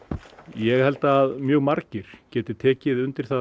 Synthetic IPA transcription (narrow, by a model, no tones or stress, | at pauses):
jɛɣhɛlt̪aːðmjœːɣmaɾcɪɾ̥cɛːt̪ɪt̪ʰɛːcɪðʏnt̪ɪɾ̥θa